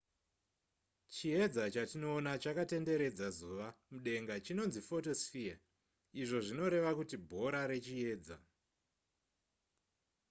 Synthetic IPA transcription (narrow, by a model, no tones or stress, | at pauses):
t͡ʃije̞d͡zat͡ʃatino̞ːnat͡ʃakate̞nde̞ɾe̞d͡zazuʋamuɗe̞ŋɡat͡ʃino̞nzifo̞to̞sfia | iʐo̞ʐino̞ɾe̞ʋakutibʱo̞ɾaɾe̞t͡ʃie̞ːd͡za̰